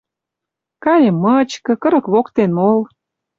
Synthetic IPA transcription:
kɑɾʲemːət͡ɕkɤ̆kɤ̆ɾə̆kβokt̪enmol

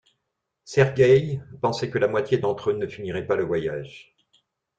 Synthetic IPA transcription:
sɛʁɡʲɛjpɑ̃sɛkəlamwat̪ʲjed̪ɑ̃t̪χønəfiniʁɛpaləvwajaʒ

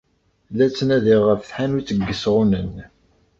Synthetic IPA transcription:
læt͡sːənæðiʁːəfθħanut͡sːəɡːəsʁunən

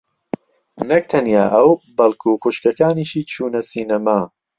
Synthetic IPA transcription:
nɐk̚t̪ʰɐnjaːʔɐwbɐlˠkʰuːxuʃkɐkaːniʃiːt͡ʃʰuːnɐsiːnɐmaː

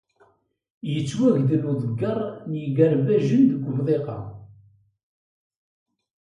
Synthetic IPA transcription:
jət͡sːwæʝd̪əluðˤəɡːɑɾˤnjəɡəɾbæʒənd̪əɡʷəvðˤeqɑ̰

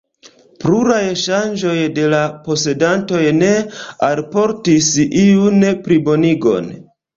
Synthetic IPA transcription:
pluɾajʃand͡ʒo̞jde̞lapo̞se̞danto̞jne̞alpo̞ɾtisiunpɾibo̞niɡo̞̰n

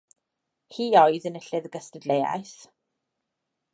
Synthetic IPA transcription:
hiːɔɨðənəɬɨðəɡəstədleja̰jθ

